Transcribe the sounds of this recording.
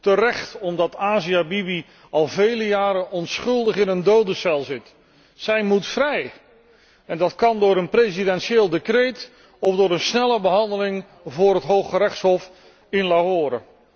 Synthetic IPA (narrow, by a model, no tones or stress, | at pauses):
tərɛχtɔmdɑtaːziabibi | ɑlˠvejləjaːɾəʔɔnsχɵlˠdəχɪnəndowdəsɛlˠzɪt | sɛjmutfrɛj | ɛndɑtkɑndʊːɾənprezidɛnʃeːlˠdekrejt | ɔfdʊːɾənsnɛləbəɦɑndəlɪŋ | vʊːɾɦətɦowχəɾɛχtsɦɔf | ɪnlaɦoːɾə̰